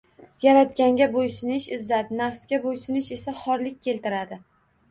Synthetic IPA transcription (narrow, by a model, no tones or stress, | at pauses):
jaɾat̪̚kʲaŋɡʲabojsɪnɪʃɪzːad̪ɪnafsɡʲabojsɪnɪʃe̞saχɒɾlɪk̚ʲʰːe̞lt̪ɪɾad̪ɪ